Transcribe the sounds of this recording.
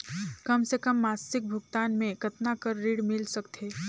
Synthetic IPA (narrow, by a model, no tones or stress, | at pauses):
kəmsekəmːasɪk̚bʱʊɡt̪aːnmẽkət̪nakəɾːiɽmɪlsəkt̪ʰe